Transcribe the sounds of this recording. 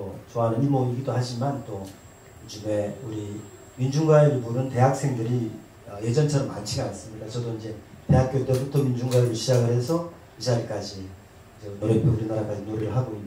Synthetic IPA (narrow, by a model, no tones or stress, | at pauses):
ot͡ɕoanɯnimoŋiɡidohaɕimant͈o | jod͡ʑume̞uɾi | mind͡ʑuŋɡaeɾibuɾɯnte̞ɦak̚s͈e̞ŋdɯɾi | ʌje̞d͡ʑʌnt͡ɕʰaɾʌma̰nt͡ɕʰiɡanas͈ɯmɲik͈at͡ɕʌdoind͡ʑe̞te̞ɦak͈̚jot͈ebutʰʌmind͡ʑuŋɡwaeuɕʰid͡ʑaɡɯɾɦe̞sʰʌ | id͡ʑʰaiɭk͈ad͡ʑi | d͡ʑenoɾepʰjouɾinaɾak͈ad͡ʑinoɾiɾɯɭɦaɡoinː